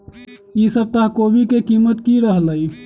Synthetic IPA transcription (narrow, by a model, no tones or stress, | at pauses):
jisəb̚t̪aɦkobʱikekimət̪kiɾəɦləj